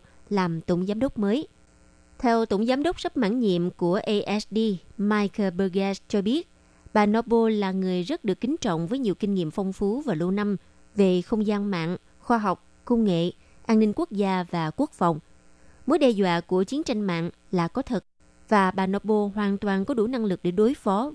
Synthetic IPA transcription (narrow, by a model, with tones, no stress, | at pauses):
laː˨˩mt̪o˧˩ŋ͡mzaː˨˦mɗə˦˥wk͡p̚məː˨˦j | t̪ʰɛ˧wt̪o˧˩wŋ͡mzaː˨˦mɗə˦˥wk͡p̚sə˦˥p̚ma̰ː˧˥nɲḭ˧˨əmku˧˩əʔə˧ʔɛ˦˥sɗi˧maː˧jkə˧ɓəː˧ɣɛ˦st͡ɕɔ˧ɓi˦˥ət̚ | ɓaː˨˩nɔ˨˧˥ɓo˧laː˨˩ŋɨ˨˩əjzə˦˥t̚ɗɨ˨˩əkːï˨˦ŋ̟t͡ɕɔ̰˧˨wŋ͡mvəː˨˦jɲi˨˩əwki˧ŋ̟ŋḭ˧˨əmfɔ˧wŋ͡mfu˨˦vaː˨˩lo˧na˧m | ve˨˩xə˧wŋ͡mzaː˧nma̰ː˧˨ŋ | xwaː˧ɦa˨˩wk͡p̚kə˧wŋ͡mŋḛ˧˨ | ʔaː˧nnï˧ŋ̟ku˦˥ək̚zaː˧vaː˨˩ku˦˥ək̚fa˨˩wŋ͡m | mo˨˦jɗɛ˧zwa̰ː˧˨ku˧˩ət͡ɕi˨˦ənt͡ɕa˧jŋ̟ma̰ː˧˨ŋ | laː˨˩kɔ˨˦t̪ʰə˨˩t̚ | vaː˨˩ɓaː˨˩nɔ˧ɓo˧ɦwaː˨˩nt̪waː˨˩nkɔ˨˦ɗu˧˩na˧ŋlɨ˨˩k̚ɗe˧˩ɗo˨˦jfɔ˨˦